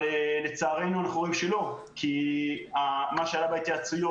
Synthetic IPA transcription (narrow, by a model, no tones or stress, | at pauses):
ele̞t͡saːʁe̞nualeχoʁimʃelo̞ | kʰiamaʃeajabajt̪iat͡sujo